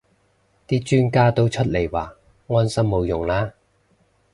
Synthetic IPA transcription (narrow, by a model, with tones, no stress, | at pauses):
t̪iː˥t͡ʃyː˥nkaː˥t̪o˥wt͡ʃʰɵ˥t̚le˨˩jwaː˨˩ | ŋɔː˥nsɐ˥mːo˨˧wjʊ˨˩ŋlaː˥